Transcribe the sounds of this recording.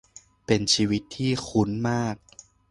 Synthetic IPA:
pe˧nt͡ɕʰiː˧wi˦˥t̪ʰːiː˥˩xʰu˦˥nmaː˥˩k̚

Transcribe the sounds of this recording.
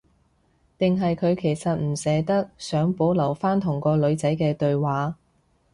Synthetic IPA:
t̪ɪ˨ŋɦɐ˨jkʰɵ˨˧ɥkʰe˨˩jsɐ˨t̚m̩˨˩sɛː˨˧t̪ɐ˥k̚sœː˨˥ŋpo˨˥wlɐ˨˩wfaː˥nt̪ʰʊ˨˩ŋkɔː˧lɵ˨˧ɥt͡sɐ˨˥jkɛː˧t̪ɵ˧ɥwaː˨˥

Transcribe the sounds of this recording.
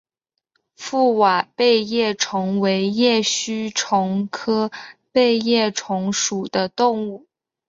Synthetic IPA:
fu˥˩wa˨˩pe˥˧ɪjɛ˥˩ʈ͡ʂʰʊ˧˥ŋwe˧˥ɪjɛ˥˩ɕy˥ʈ͡ʂʰʊ˧˥ŋkʰɤ˥pe˥˧ɪjɛ˥˩ʈ͡ʂʰʊ˧˥ŋʂu˨˩d̪ə˦t̪ʊ˥˧ŋu˥˩

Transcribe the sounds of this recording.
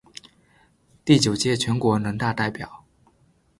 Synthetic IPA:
t̪i˥˩t͡ɕjo˨˩ʊt͡ɕjɛ˥˩t͡ɕʰɥɛ˧˥nkwɔ˧˥nə˧˥nt̪a˥˧t̪a˥˩ɪpjɑ˨˩˦ʊ

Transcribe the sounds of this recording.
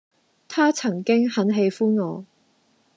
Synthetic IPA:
t̪ʰaː˥t͡sʰɐ˨˩ŋkɪ˥ŋhɐ˨˧˥nɦe˧jfuː˥nŋɔː˨˧

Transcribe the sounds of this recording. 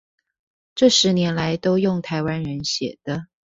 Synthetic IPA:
ʈ͡ʂɤ˥˩ʂɻ̩˧˥njɛ˧˥nla˧˦ɪt̪o˥ʊjʊ˥˩ŋt̪ʰa˧˥ɪwa˥nɻə˧˦nɕjɛ̰˨˩d̪̥ə˦

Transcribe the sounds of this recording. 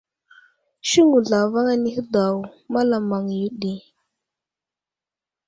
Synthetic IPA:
ʃi˦ŋu˨ɮa˨va˦ŋa˦ni˦hə˦da˨wma˦la˨ma˨ŋ˨ju˦ɗi˦˨

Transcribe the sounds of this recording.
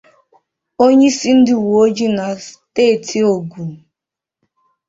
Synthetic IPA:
o˦ɲe˦si˦n̩˦dɪ˦˨wu˨o˦d͡ʒi˦na˨steː˦˨ti˦o˨ɡʷu˨

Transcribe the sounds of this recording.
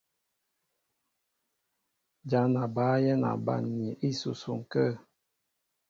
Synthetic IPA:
d͡ʒa˨˦na˨baː˨˦jɛ˦na̰˨ba̰˦˨nɲi˨ʔi˦su˨su˨ŋ˨kə˦˨

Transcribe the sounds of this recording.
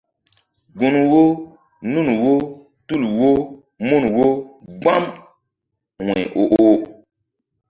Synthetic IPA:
ɡũ˨n˨wo˦ | nũ˦nu˨wo˦ | tu˦lu˨wo˦ | mũ˦n˨wo˦ɡ͡ba˦m | wɛ̃˨ʔo˨ʔo˦

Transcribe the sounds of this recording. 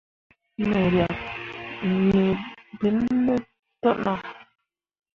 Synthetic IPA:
mɛ˨ɾja˨p | ɲe˨bi˨˦lːe˦ | tɔ˦ʔna˦

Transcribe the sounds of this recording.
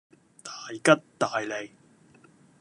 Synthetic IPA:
t̪aː˨jkɐ˥t̚t̪aː˨jle˨˩j

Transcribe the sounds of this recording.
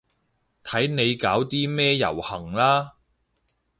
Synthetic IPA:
t̪ʰɐ˨˥jne˨˧jkaː˨˥wt̪iː˥mɛː˥jɐ̰˨˩whɐ˨˩ŋlaː˥

